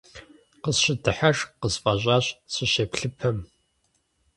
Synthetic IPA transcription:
qəzɕɪdʰɨħaʂqəzfʼɐʑʷʼaːɕsʰɪʃepɬɨpʰɐm

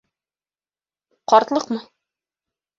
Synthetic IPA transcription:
qɒɾt̪lˠɤqmɤ

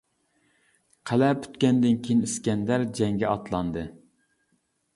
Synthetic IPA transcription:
qʰælɛpʰy̥t̪kʲɛnd̪ɪnkʲʰijiniskʲɛnd̪æɾd͡ʒɛŋɡʲɛɑt̪lˠɑnd̪ɨ

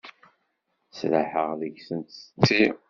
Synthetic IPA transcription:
slaħəʁðəʝsənt̪tːi

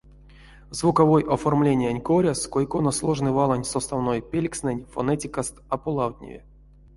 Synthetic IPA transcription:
zvukɐvojʔɐformlʲenʲɪjanʲkoɾʲaskojkonɐslˠoʐnɨvalˠanʲsost̪avnojpʲelʲksnɨnʲfonɛtʲɪkast̪ɐpulˠawt̪ʲnʲɪ̰vʲɪ̰

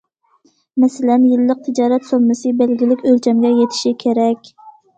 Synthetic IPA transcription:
mɛsɪlɛnjɪlːəq̚t̪ʰɪd͡ʒɑːɾɛt̪somːɨsɨbɛlɡʲilɪkʲølt͡ʃʰɛmɡʲɛjet̪ʰɪ̥ʃikʲʰeɾɛkʲ

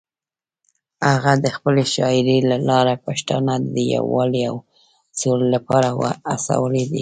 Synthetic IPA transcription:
haɣad̪əxpəleʃɑɪɾelalɑɾapɑʃt̪ɑnad̪əja̰wɑliaw | sollapɑɾawa̰asa̰wəled̪ḭ

